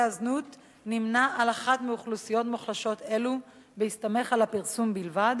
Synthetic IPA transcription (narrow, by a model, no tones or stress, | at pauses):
aznut | nimnaʔalaχatmiuχlusijo̞tmuχlaʃo̞t̪e̞lu | behist̪ame̞χalapiʁsumbilvad̪